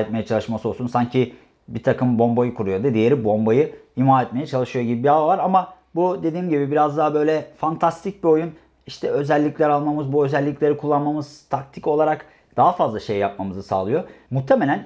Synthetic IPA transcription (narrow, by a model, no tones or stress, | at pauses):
ɛt̪mejɛt͡ʃʰalˠɯʃmasɯolˠsunsaɲcʰi | bit̪ʰakɯmbo̞mbojɯkʰuɾujo̞d̪ad̪ijeɾibo̞mbajɯimaːɛt̪mejɛt͡ʃʰalˠɯʃɯjo̞ɟibibiavavaɾama | bud̪e̞d̪iːmɟibibiɾazd̪aɦabø̞jlʲɛfant̪ʰast̪ʰic̚bio̞jun | iʃt̪ʰɛø̞zɛlʲːiclʲæɾalˠmamɯzbuø̞zɛlʲːicʲlʲe̞ɾikʰulˠːanmamɯz̥t̪ʰak̚t̪ʰico̞lˠaɾak | d̪̥aɦafazlˠaʃe̞jjap̚mamɯzɯsa̰ːlˠɯjo̞mut̪ʰe̞me̞lʲæn